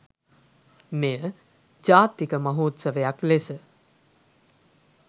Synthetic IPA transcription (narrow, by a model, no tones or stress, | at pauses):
mejə | d͡ʒaːt̪ikəmɐɦuːt̪səʋəjaklesə